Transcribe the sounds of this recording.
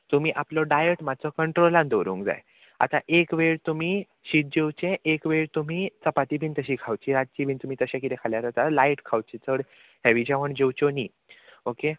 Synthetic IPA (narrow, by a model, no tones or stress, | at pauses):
t̪um̤iːʔaplɔɖajəʈmat͡sɔkəɳʈɾolãnd̪oɾṵ̃ːŋkd͡za̰j | a̰t̪aʔekʋeɭt̪um̤i | ɕit̪̚d͡ʑewt͡ɕẽʔekʋeɭt̪um̤it͡səpat̪ibʱiːnt̪əɕiːkʰawt͡ɕiːɾat̪̚t͡ɕibʱiːnt̪um̤iːt̪əɕãkit̪ɛ̃kʰaljaɾət̪aɾlaiʈkʰawt͡ɕit͡səɽ | hɛʋid͡ʑaʋəɳd͡ʑewt͡ɕɔniː | oke